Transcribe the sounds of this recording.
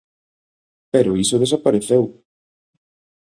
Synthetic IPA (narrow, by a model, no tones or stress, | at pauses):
peɾʊisʊðes̬apaɾeθew